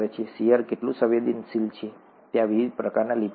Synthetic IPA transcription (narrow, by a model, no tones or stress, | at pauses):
ɾet͡ʃʰesiaɾkeʈlũsəʋed̪insilt͡ʃʰe | t̪jãʋiʋid̪̚pɾəkaɾnalib